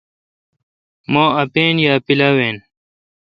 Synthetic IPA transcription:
maːɐpeːnjaːpilaweːn

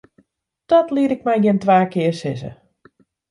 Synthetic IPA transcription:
d̥ɔtliəɾɪk̚mɛjɡɪntʋaːkɪːərsɪsə̰

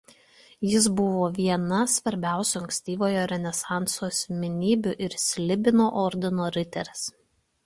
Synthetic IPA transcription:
jɪs̬bʊʋoːʋʲiɛnɐsʋɐɾʲbʲæˑʊsʲuɐŋʲksʲt̪ʲiːʋoːjoːɾʲɛnʲɛsɑˑnt̪soːsʲmʲɪnʲiːbʲʊʔɪɾsʲlʲɪbʲɪnoːʔɔɾʲd̪ʲɪnoːɾʲɪt̪ʲɛɾs

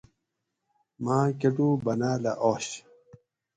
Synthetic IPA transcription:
maːkeʈubɐnaːlaʔoːɕ

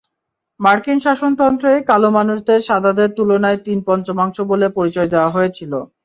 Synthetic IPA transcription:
maɾkinʃaʃont̪ɔnt̪ɾoekalomanuʃd̪eɾʃad̪ʱad̪eɾt̪ulonaet̪inpɔnt͡ɕomaŋʃobolepoɾit͡ɕɔed̪eoaɦoet͡ɕʰilo

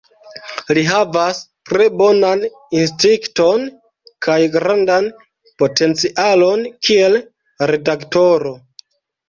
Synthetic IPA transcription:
liɦavastɾe̞bo̞nan | instiŋkto̞n | kʰajɡɾandan | po̞te̞nt͡siʔalo̞nkʰie̞l | ɾe̞dakto̞ɾo̞

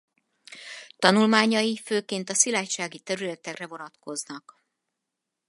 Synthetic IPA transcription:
t̪ɒnulmaːɲɒjiføːkeːnt̪ɒsilaːcʃaːɡit̪ɛɾylɛt̪ɛkrɛvo̞nɒt̪ko̞znɒk

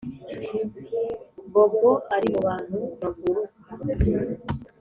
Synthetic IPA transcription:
mboɡoʔaɾimoβaːn̥huβaɡuɾu

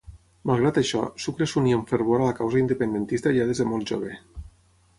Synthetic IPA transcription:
malˠɣ̞ɾat̪aʃɔ̰sukɾesunioɱfeɾβoɾalakawzaind̪epend̪ent̪ist̪aʎaðezðemolˠʒoβ̞e

